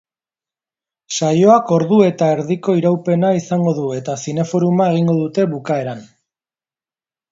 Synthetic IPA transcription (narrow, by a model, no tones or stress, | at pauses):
sajo̞ako̞ɾðue̞t̪ae̞ɾðiko̞iɾawpe̞naisaŋɡo̞ðue̞t̪asine̞fo̞ɾumae̞ɣ̞iŋɡo̞ðut̪e̞βukae̞ɾan